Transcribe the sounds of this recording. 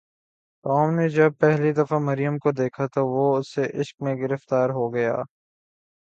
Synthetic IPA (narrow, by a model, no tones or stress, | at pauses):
t̪ɔːmned͡ʒɐb̚pɛɦlid̪ɐfamɐɾijəmkod̪eːkʰat̪oʋoʊsːeʔɪʃk̚mẽɡɪɾəft̪aːɾɦoɡɐja̰ː